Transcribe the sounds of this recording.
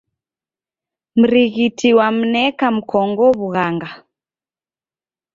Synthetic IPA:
m̩ɾiɣitʰiwam̩nɛkam̩kɔŋɡɔβuɣaŋɡa

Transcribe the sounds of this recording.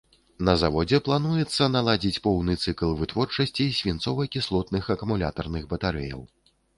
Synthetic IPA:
nɐzavɔd͡zʲɛplˠanujɛt̪sːɐnalˠad͡zʲit͡sʲpɔwnɨt̪sɨklˠvɨt̪vɔrt͡ʂɐsʲt͡sʲisʲvʲint̪sɔvɐjkʲislˠɔt̪nɨxɐkumulʲa̰t̪ɐrnɨxbɐt̪aɾɛ̰jɐ̰w

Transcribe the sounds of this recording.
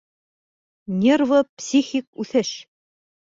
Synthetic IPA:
nʲervopsʲixʲik̚ʉθɘʃ

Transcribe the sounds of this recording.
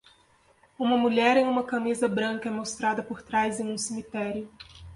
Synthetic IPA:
ũmɐmuʎɛɾẽj̃ũmɐkamizɐbɾɐ̃ŋkɐɛmost̪ɾad̪ɐpoɾt̪ɾajzẽj̃ũsimit̪ɛɾiʊ

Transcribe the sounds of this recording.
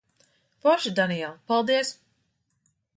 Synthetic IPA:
pɔʃud̪anijɛlˠpalˠd̪iəs

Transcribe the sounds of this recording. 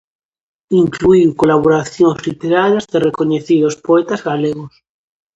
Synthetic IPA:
iŋkluiwkolaβ̞oɾaθjõŋzlit̪eɾaɾjazðerekoɲeθiðospoet̪azɣaleɣos

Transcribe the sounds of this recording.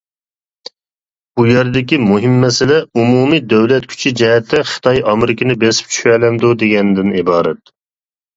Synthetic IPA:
bujɛɾd̪ɪkʲimuɦɪmːɛsɪlɛumumid̪øwlɛt̪̚kʲʰy̥t͡ʃʰid͡ʒɛɦɛt̪ʰːɛχɨ̥t̪ʰɑjɑmɪɾɪkʲɪnɪbesɪ̥p̚t͡ʃʰy̥ʃɛlɛmd̪ud̪eɡʲɛnd̪ɪnibɑːɾɛt̪̚

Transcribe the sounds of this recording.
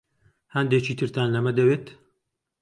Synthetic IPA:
hɐnd̪eːt͡ʃiːt̪ʰɨɾt̪aːnlɐmɐd̪ɐweːt̪

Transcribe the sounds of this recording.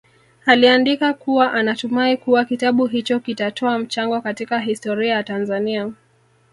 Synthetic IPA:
aliandikakuwaʔanatumaikuwakitaɓuɦit͡ʃɔkitatʰɔam̩t͡ʃaŋɡɔkatikaɦistɔɾiajatanzania

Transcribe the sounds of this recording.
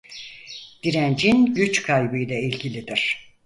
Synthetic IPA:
d̪̥iɾænd͡ʒinɟyt͡ʃkʰajbɯjlʲˠailʲɟilʲid̪iɾ̥

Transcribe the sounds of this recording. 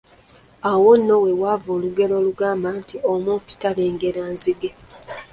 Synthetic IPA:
awonːo̞we̞wavoːluɡe̞lo̞ːluɡaːmbaːntiomupi̥taleːŋɡeɾaːnziɡe

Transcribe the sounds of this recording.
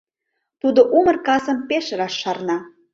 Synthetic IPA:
t̪ud̪oʔumərkɑsə̆mpeʃəɾɑʃːɑrnɑ

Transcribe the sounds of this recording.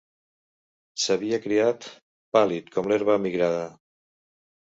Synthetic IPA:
saβiakɾiat̪ | palit̪kʰɔmleɾβamiɣɾaða

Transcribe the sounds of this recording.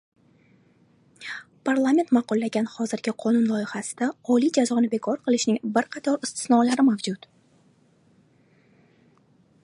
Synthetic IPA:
pʰaɾlˠamʲe̞nt̪mɑqʊlːaɡʲanhɒzɪɾɡʲɪqʰɒnʊnlˠɒɪhasɪ̥d̪aɒlid͡ʒazɒnɪbe̞kʰɒɾqʰɨlˠɪʃnɪŋbɪɾqʰɑt̪ʰɒɾɪst̪ʰɪ̥snɒlaɾɪmavd͡ʒʊt̪

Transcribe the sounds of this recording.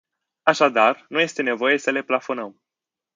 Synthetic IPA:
aʃad̪arnuje̞st̪e̞ne̞vo̞je̞səle̞plafo̞nəm

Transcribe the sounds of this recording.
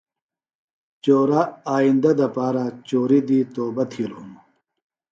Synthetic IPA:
t͡ɕoːɾaaːind̪ɐd̪ɐpaːɾat͡ɕoːɾid̪iːt̪oːbɐt̪ʰilum

